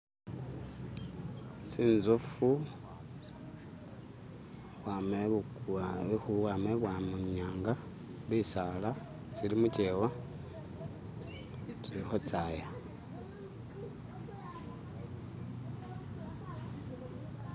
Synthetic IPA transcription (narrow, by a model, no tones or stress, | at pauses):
siːnzufu | βwame | βexuwameβwamuɲaːŋɡa | βisala | t͡silimucewa | t͡silixot͡saːja